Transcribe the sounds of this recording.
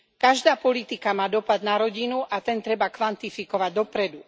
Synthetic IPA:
kaʒd̪aːpɔlit̪ikamaːd̪ɔpad̪naɾɔɟinuʔat̪ɛnt̪ɾɛbakʋant̪ifikɔʋaɟd̪ɔpɾɛd̪u

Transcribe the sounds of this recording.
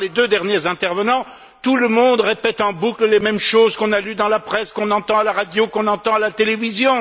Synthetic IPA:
led̪ød̪ɛʁnjezɛ̃t̪ɛʁvənɑ̃ | t̪uləmɔ̃d̪ʁepɛt̪ɑ̃bukləlemɛmʃozkɔ̃nalyd̪ɑ̃lapχɛskɔ̃nɑ̃t̪ɑ̃alaʁad̪jokɔ̃nɑ̃t̪ɑ̃alat̪elevizjɔ̃

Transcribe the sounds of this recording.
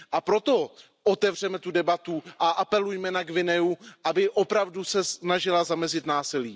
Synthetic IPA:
ʔapɾo̞t̪o̞ | ʔot̪ɛvr̝ɛmɛt̪udɛbat̪uʔaʔapɛlujmɛnaɡvɪnɛuʔabɪʔo̞pɾavdusɛsnaʒɪlazamɛzɪt̪naːsɪliː

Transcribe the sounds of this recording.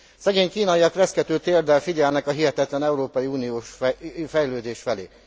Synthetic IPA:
sɛɡeːɲkiːnɒjiɒkrɛskɛt̪øːt̪eːrd̪ɛlfiɟɛlnɛkɒɦiɦɛt̪ɛt̪lɛnɛuɾoːpɒjiuːnioːʃfɛjløːd̪eːʃfɛlḛː

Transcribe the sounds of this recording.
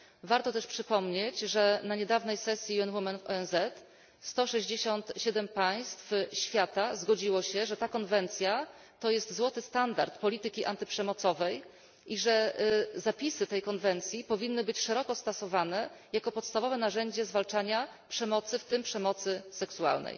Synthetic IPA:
vaɾt̪ɔt̪ɛʂpʂɘpɔmɲet͡ɕʐɛnaɲɛd̪avnɛjsɛsʲjiɛnwumɛnvɔ̰ɛnzɛt̪ | st̪ɔʂɛʑd͡ʑeɕɔnt̪ɕɛd̪ɛmpaj̃st̪fɕfʲjat̪azɡɔd͡ʑiwɔɕɛʐɛt̪akɔnvɛnt̪sʲja | t̪ɔjɛst̪zwɔt̪ɘst̪and̪a̰ɾt̪pɔlʲit̪ɘkʲiʔa̰nt̪ɘpʂɛmɔt̪sɔvɛj | iʐɛzapʲisɘt̪ɛjkɔnvɛnt̪sʲjipɔvʲinːɘbɘt͡ɕʂɛɾɔkɔst̪ɔsɔvanɛjakɔpɔt̪st̪avɔvɛnaʐɛɲd͡ʑɛzvalt͡ʂaɲa | pʂɛmɔt̪sɘft̪ɘmpʂɛmɔt̪sɘsɛksua̰lnɛ̰j

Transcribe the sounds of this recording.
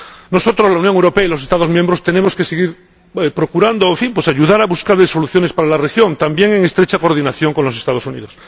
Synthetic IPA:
no̞so̞t̪ɾozlaunjoŋewɾopeailo̞sest̪aðo̞zmjẽmbɾo̞st̪e̞ne̞mo̞ske̞seɣ̞iɾ | epɾo̞kuɾand̪oeɱfimpwe̞saʝuðaɾaβuskaɾðeso̞luθjonespaɾalarexjo̞nt̪ambje̞ŋe̞ŋe̞st̪ɾet͡ʃako̞ɾðinaθjo̞ŋko̞nlo̞se̞st̪að̞o̞sunḭðo̞s

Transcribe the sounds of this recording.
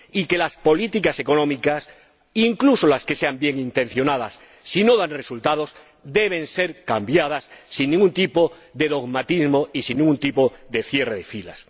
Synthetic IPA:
ike̞laspo̞lit̪ikase̞ko̞nõmikas | iŋkluso̞laske̞se̞ambje̞ŋint̪e̞n̟θjo̞nað̞asː | ino̞ðanre̞sult̪að̞o̞s | d̪e̞β̞e̞nse̞ɾkambjað̞asːinːĩŋɡunt̪ipo | ðe̞ðo̞ɣmat̪izmo̞isinːiŋɡunt̪ipo̞ðe̞fje̞reðe̞fila̰s

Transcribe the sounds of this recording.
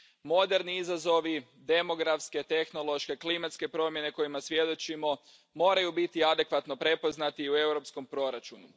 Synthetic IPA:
mo̞d̪e̞ɾniizazo̞ʋi | d̪e̞mo̞ɡɾafske̞t̪e̞xno̞lˠo̞ʃke̞klimat̪ske̞pɾo̞mje̞ne̞ko̞jimasʋje̞d̪o̞t͡ʃimo̞ | mo̞ːɾajubit̪iad̪e̞kʋat̪no̞pɾe̞po̞znat̪iue̞wɾo̞psko̞mpɾo̞ɾat͡ʃunu

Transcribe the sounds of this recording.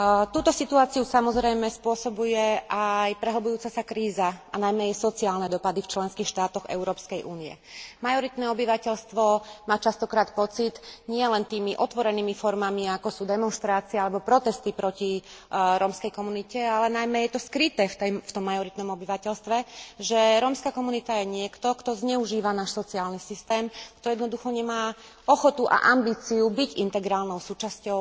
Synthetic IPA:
t̪uːt̪ɔsit̪uaːt͡siusamɔzɾɛjmɛspʊɔsɔbujɛʔajpɾɛɦl̩bujuːt͡sasakɾiːzaanajmɛjɛsɔt͡siaːlnɛd̪ɔpad̪ift͡ʃlɛnskiːxʃt̪aːt̪ɔɣɛ̰ʊɾɔːpskɛjʔuːniɛ̰majɔɾit̪nɛɔbiʋacɛʎst̪ʋɔmaːt͡ʃast̪ɔkɾaːt̪pɔt͡sit̪ɲɪɛlɛnt̪iːmiʔɔt̪ʋɔɾɛniːmifɔɾmamiakɔsuːd̪ɛmɔnʃt̪ɾaːt͡siɛalɛbɔpɾɔt̪ɛst̪ipɾɔciɾɔːmskɛjkɔmunicɛalɛnajmɛjɛt̪ɔskɾit̪ɛːft̪ɛft̪ɔmːajɔɾit̪nɔmɔbiʋacɛʎst̪ʋɛʒɛɾɔːmskaːkɔmunit̪ajɛɲɪɛkt̪ɔkt̪ɔzɲɛuʒiːʋanaːʃsɔt͡siaːlnisist̪ɛːmkt̪ɔjɛd̪nɔd̪uxɔɲɛmaː | ɔxɔt̪uʔa̰ʔambiːt͡siubiɟint̪ɛɡɾaːlnɔʊsuːt͡ʃascɔʊ

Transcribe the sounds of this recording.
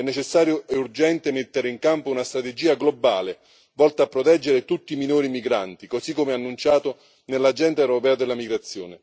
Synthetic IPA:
ɛnːet͡ʃesːaːɾjʊɛurd͡ʒɛnt̪emet̪ːeɾeiŋkampounast̪ɾat̪ed͡ʒiːaɡlobaːle | vɔlt̪aːpːɾɔt̪ɛd͡ʒːeɾet̪ut̪ːiːminoːɾimiɡɾa̰nt̪ikosikːomeanːunt͡ʃaːt̪ʊ | nelːad͡ʒɛnt̪aɛwɾopɛːd̪elːamiɡɾat̪sːjoːnɪ

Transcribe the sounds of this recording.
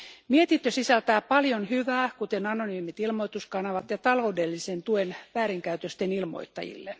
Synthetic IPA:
miet̪int̪ːøsisælt̪æːpɑljonhyʋæːkut̪enɑnonyːmit̪ilmoit̪uskɑnɑʋɑt̪jɑt̪ɑloudelːisent̪uenʋæːɾiŋkæyt̪øst̪enilmo̰it̪ːɑ̰jḭlːe

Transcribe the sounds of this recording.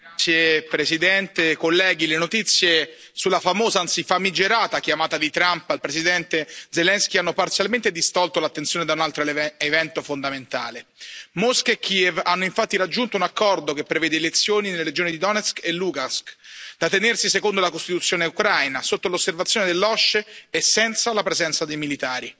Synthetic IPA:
sjepɾesid̪ɛnt̪ekolːɛːɡ̟ilenot̪it̪sːje | sulːafamoːzaansifamid͡ʒeɾaːt̪akjamaːt̪ad̪it̪ɾampailpɾesid̪ɛnt̪ed̪zelɛnskianːopart̪sjalment̪ed̪ist̪ɔlt̪olat̪ːent̪sjoːned̪aunalt̪ɾoevɛnt̪ofond̪ament̪a̰ːlemoskekʰːievanːoiɱfat̪ːiɾad͡ʒːunt̪ounakːɔrd̪ok̟epːɾevɛːd̪eːlet̪sːjoːninelːeɾed͡ʒoːnid̪id̪ɔnɛskelːuɡaskd̪̥at̪ːenersisekond̪olakost̪it̪ut̪sjoːneukɾajnasot̪ːolosːervat̪sjoned̪elːɔʃːeesːɛnt̪salapɾezɛnt̪sad̪ejmilit̪aːɾi

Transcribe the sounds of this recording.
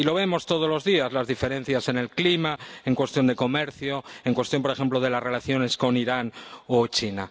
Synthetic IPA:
iloβ̞e̞mo̞st̪o̞ð̞olo̞zðiazlazðife̞ɾẽ̞n̟θjase̞ne̞lklimaeŋkwe̞st̪jo̞nd̪e̞ko̞me̞ɾθjo̞eŋkwe̞st̪jo̞mp̬oɾe̞xe̞mploðe̞lasre̞laθjo̞ne̞sko̞niɾanot͡ʃina

